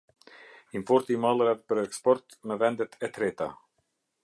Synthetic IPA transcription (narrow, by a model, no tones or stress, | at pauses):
iɱfɔɾt̪imɑlˠɾaðpəɾɛkspɔɾt̪mɛvɛnd̪ɛt̪ʰɛt̪ɾɛt̪a̰